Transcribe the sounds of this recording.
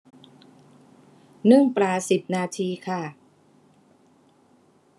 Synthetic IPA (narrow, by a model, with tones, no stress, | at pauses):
nɯ˥˩ŋpɾaː˨˩si˨˩p̚naː˧t̪ʰiː˧kʰa˥˩